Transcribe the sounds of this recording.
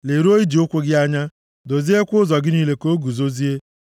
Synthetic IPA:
le˨ɾu˦o˦i˦d͡ʒi˨ʊ˦kʷʊ˦ɡɪ˦a˦ɲa˦ | do˨zi˦e˦kʷʊ˦ʊ˦zɔ˨ɡɪ˦niː˦le˦ko˦ɡu˨zo˦zi˦e˦

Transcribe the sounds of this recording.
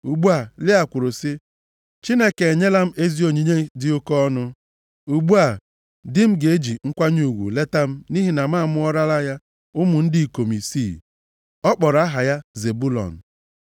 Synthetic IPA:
u˨ɡ͡bu˦a˨lɪ˦a˨kʷʊ˨ɾʊ˨sɪ˦ | t͡ʃi˦ne˦ke˨e˨ɲe˦la˦m̩˦e˦zi˦o˨ɲi˦ɲe˦dɪ˦o˦kɔ˦ɔ˦nʊ˦ | u˨ɡ͡bu˦a˨ | dɪ˦m̩˦ɡe˨e˦d͡ʒi˨ŋ̩˦kʷa˦ɲu˨ɡʷṵ˨le˦ta˦m̩˦ni˦ɦi˨na˨ma˦˨mʊ˦ɔ˦ɾa˦la˦ja˦ | ʊ˦mʊ˨n̩˦dɪ˦i˨ko˨mi˨sḭ˦˨ | ɔ˦k͡pɔ˨ɾa˦ɦa˨ja˦ze˨bu˦lɔ̰˨n̩˨

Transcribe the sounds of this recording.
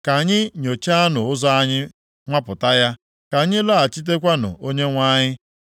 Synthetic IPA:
ka˨ɲɪ˦ɲo˨t͡ʃa˦a˦nʊ˨ʊ˦zɔ˦a˦ɲɪ˦ | ŋʷa˦pʊ˨ta˦ja˦ | ka˨ɲɪ˦la˦a˨t͡ʃi˦t̬e˦kʷa˦nʊ̰˨ʔo˦ɲe˦ŋʷa˦ɲɪ˦

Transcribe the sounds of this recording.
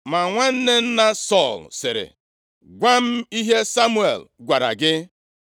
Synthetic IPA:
ma˨ŋʷa˦n̩˦ne˦n̩˦na˦sɔ˦˨lsɪ˨ɾɪ̰˨ | ɡʷa˦m̩˦i˦ɦe˦sa˦mu˦ḛ˨lɡʷa˨ɾa̰˨ɡɪ˦

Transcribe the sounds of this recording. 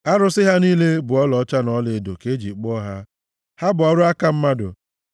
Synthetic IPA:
a˦ɾʊ˦sɪ˦ɦa˦niː˦le˦bʊ˨ɔ˦lɔ˨˦t͡ʃa˦nɔ˦lɪ˨do̰˨ke˦d͡ʒi˨k͡pɔ˦ɦa˦ | ha˦bʊ˨ɔ˦ɾʊ˦a˦ka˦m̩˦ma˦dʊ̰˨

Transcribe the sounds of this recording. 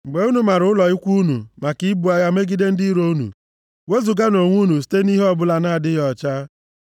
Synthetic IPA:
ŋ͡m̩˨ɡ͡be˨u˦nu˨ma˨ɾʊ˨˦ʊ˦lɔ˨ɪ˦kʷu˦nṵ˨ma˨ki˦bu˨a˦ja˦me˦ɡi˦de˦n̩˦di˦ɾo˦u˦nṵ˨ | we˦zu˨ɡa˦no˨ŋʷu˦nu˨s̬i̥˨˦te˦ni˦ɦe˦ɔ˦bʊ˦la˨na˦a˨dɪ˦jɔ˨t͡ʃa˦

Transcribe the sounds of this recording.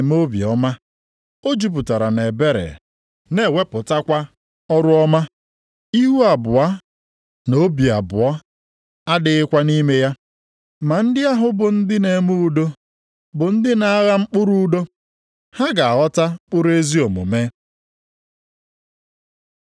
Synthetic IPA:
m˦o˦bḭ˨ɔ˦ma˦ | o˦d͡ʒu˦p̬ʊ˨ta˨ɾa˨ne˨be˦ɾḛ˨ | ne˦˨we˦pʊ˨ta˦kʷa˦ | ɔ˦ɾʊ˦ɔ˦ma˦ | i˦ɦu˦a˨bʊ˨a˦ | no˦bi˨a˨bʊ˨ɔ˦ | a˦dɪ˨˦ɪ˦kʷa˦ni˦me˦ja˦ | ma˨n̩˦dɪ˦a˦ɦʊ˨bʊ˨n̩˦dɪ˦ne˨mu˦u˨do˦ | bʊ˨n̩˦dɪ˦na˦a˦ɣa˦ŋ͡m̩˦k͡pʊ˦ɾu˦do˦ | ha˦ɡa˨a˨ɣɔ˦ta˦k͡pʊ˦ɾe˦zi˦o˨mṵ˨me˦

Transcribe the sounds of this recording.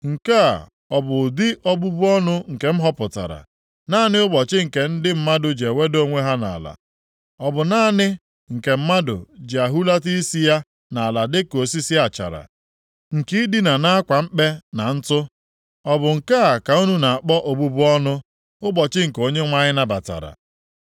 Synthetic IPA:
ŋ̩˨ka̰˦˨ | ɔ˨bʊ˨dɪ˦ʔɔ˦bu˦bʊ˦ɔ˦nʊ˦ŋ̩˨ke˨m̩˦ɦɔ˦pʊ˨ta̰˨ɾa̰˨ | na˦nɪ˦ʊ˦bɔ˨t͡ʃɪ˦ŋ̩˨ke˨n̩˦dɪ˦m̩˦ma˦dʊ˨d͡ʒe˨we˦do˦ŋʷe˦ɦa˦na̰˨la̰˨ | ɔ˨bʊ˨na˦nɪ˦ | ŋ̩˨ke˨m̩˦ma˦dʊ̰˨d͡ʒe˨a˨ɦu˦la˦ti˦i˦si˦ja˦ | na˨a˨la˨dɪ˦ko˨si˦si˦a˨t͡ʃa̰˨ɾa̰˨ | ŋ̩˨ki˦i˦di˦na˨na˦a˦kʷa˨m̩˦k͡pe˦na˨n̩˦tʊ˦ | ɔ˦bʊ˨ŋ̩˨ka˦a˨ka˨u˦nu˦na˨a˨k͡pɔ˦ʔo˨bu˦bʊ˦ɔ˦nʊ˦ | ʊ˦bɔ˨t͡ʃɪ˦ŋ̩˨ko˦ɲe˦ŋʷa˦ɲɪ˦na˨ba̰˨ta̰˨ɾa̰˨

